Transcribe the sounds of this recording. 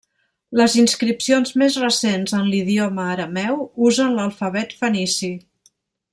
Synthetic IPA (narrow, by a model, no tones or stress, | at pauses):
ləzinskɾipsionzmezrəsenzənliðioməːɾəmɛwuzənləlˠfəβɛt̪fənisi